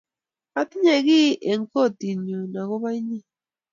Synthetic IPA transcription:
a˦t̪i˦ɲa˨ɣi˦ʔe˨ŋɡo˦˨t̪i˨ɲu˨na˨ɣo˦βa˦i˦ɲĩ˦˨

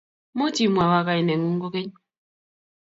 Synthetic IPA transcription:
mo˦ti˨mwa˨wa˦ka˦˨i˨nɛ˨ŋu˦ŋ˦ɡo˦ke˦ɲ˦

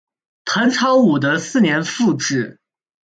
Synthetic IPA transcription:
t̪ʰə˧˥nʈ͡ʂʰɑ˧˥ʊu˨˩d̪ə˦sɹ̩˥˩njɛ˧˥nfu˥˧ʈ͡ʂɻ̩˥˩

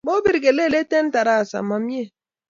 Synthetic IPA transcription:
bo˦bi˦ɾi˨ɡe˨le˦˨le˦te˦n̩˦ta˨ɾa˦˨sa̰˨ma˨m̩˦e˦

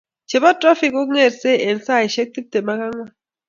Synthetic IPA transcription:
t͡ʃe˨bɔ˦tɾɔ˦fi˦˨ku˦ŋe˦˨tse˦ɛ˨n˨sa˦˨i˨ʃe˦k̚ti˦te˨ma˦ka˦ŋwa˦˨

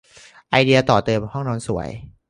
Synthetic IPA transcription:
ʔa˧jdi˧ɐ˧t̪ɔː˨˩t̪ɤː˧mhɔ˥˩ŋnɔː˧nsu˩˦ə̰j

